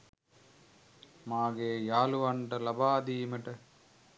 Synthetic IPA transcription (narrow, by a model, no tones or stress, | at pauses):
maːɡeːjaːluʋɐɳɖɐlɐbaːd̪iːmɐʈɐ